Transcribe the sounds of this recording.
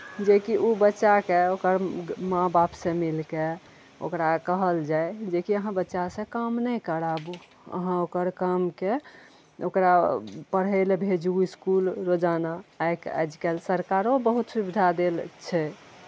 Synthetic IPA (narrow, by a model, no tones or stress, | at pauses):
d͡ʒekiʔubətːʃakeokəɾmãbapsẽmilke | o̰kɾakəɦəld͡ʒajd͡ʒekiəɦãbətːʃasẽkamnəjkəɾabu | ə̰ɦãokəɾkamke | o̰kɾapəɽ̤əlbʱed͡ʒuiskulɾod͡ʒanaːjkɛ̰d͡ʒkelsəɾkaɾobəɦut̪subid̪ʱad̪elt͡ʃʰɛ